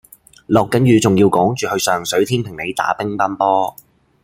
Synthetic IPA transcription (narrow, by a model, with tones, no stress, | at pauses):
lɔː˨kːɐ˨˥njyː˨˧t͡sʊ˨ŋjiː˧wkɔː˨˥ŋt͡ʃyː˨hɵ˧ɥsœː˨ŋsɵ˨˥ɥt̪ʰiː˥npʰɪ˨˩ŋnle˨˧jt̪a̰ː˨˥pɪ˥ŋpaː˥npɔː˥